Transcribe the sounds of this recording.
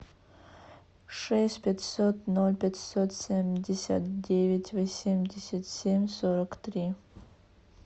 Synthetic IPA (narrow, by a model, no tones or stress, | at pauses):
ʂɛsʲtʲpʲɛtʲsot̪nolʲpʲatʲsot̪sʲemʲdʲɪsʲa̰t̪dʲevʲɪtʲvosʲemʲdʲɪsʲat̪sʲemʲsoɾɐkt̪ɾʲi